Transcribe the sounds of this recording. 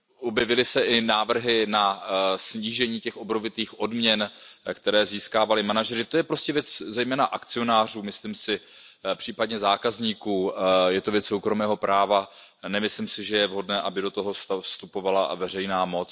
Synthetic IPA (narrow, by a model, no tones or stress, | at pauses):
ʔobjɛvɪlɪsɛʔɪnaːvr̩ɦɪnasɲiːʒɛɲiːcɛxobnovɪt̪iːxʔo̞dmɲɛnkt̪ɛɾɛːziːskaːvalɪmanaʒɛrɪt̪o̞jɛpɾo̞scɛvjɛt͡szɛjmɛːnaʔakt͡sɪo̞naːr̝uːmɪsliːmsɪpr̥iːpadɲɛzaːkazɲiːkuːjɛt̪o̞vjɛt͡ssowkɾo̞mɛːɦo̞pɾaːvanɛmɪslimsɪʒɛjɛvɦo̞dnɛːʔabɪdo̞t̪o̞ɦo̞sst̪upo̞vala̰vɛrɛjnaːmo̞t͡s